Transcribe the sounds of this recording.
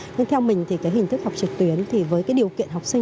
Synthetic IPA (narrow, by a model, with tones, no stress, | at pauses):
ɲa˧ŋt̪ʰɛ˧wmï˨˩ŋ̟t̪ʰi˨˩kaː˨˦jɦi˨˩ŋ̟t̪ɨ˦˥k̚ha˨˩wk͡p̚t͡ɕɨ˨˩k̚t̪wi˨˦ənt̪ʰi˨˩vəː˨˦jkaː˨˦jɗi˨˩əkḭ˧˨ənhɦa˨˩wk͡p̚sï˧